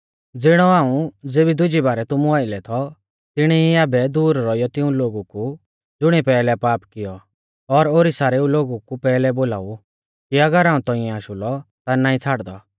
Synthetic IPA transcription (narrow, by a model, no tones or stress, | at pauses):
d͡zɪɽ̃ɔaːũd͡zeːbid̪ʊd͡ʒibaːɾɛt̪ʊmũaːɪlɛt̪ʰɔ | t̪ɪɽ̃ɛiaːbɛd̪uːɾɾɔijɔt̪ɪũloːɡuku | d͡zʊɽ̃ipɛːlɛpaːpkɪjɔ | ɔɾoːɾisaːɾeːũloːɡukupɛːlɛboːla̰ːu | kiɐɡəɾaːũt̪ɔɪ̃ɛ̃aːʃʊlɔt̪anaːĩt͡sʰaːɽd̪ɔ